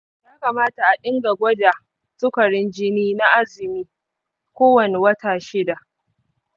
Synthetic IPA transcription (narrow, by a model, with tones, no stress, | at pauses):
jaː˦ka˨maː˦ta˨ʔa˨ɗɪ˦ŋɡa˨ɡʷɐ˦da˨ | sʊ˦kɐ˨ɽɪ˦nd͡ʒɪ˦niː˦na˦ʔa˦zɪ˨miː˦ | kʷoː˦wɐ˨ne˨wɐ˦taː˨ʃɪ˦da˨ʔ